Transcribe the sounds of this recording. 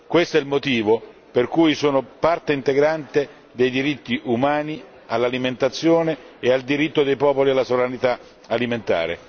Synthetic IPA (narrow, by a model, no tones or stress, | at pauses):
kwest̪ɛilmot̪iːvo | perkujsuːnopart̪eint̪eɡɾant̪e | d̪ejd̪iɾit̪ːiʔumaːni | alːaliment̪at̪sːjoːneeald̪iɾit̪ːod̪ejpɔːpolialːasovɾanit̪a | aliment̪a̰ːɾḛ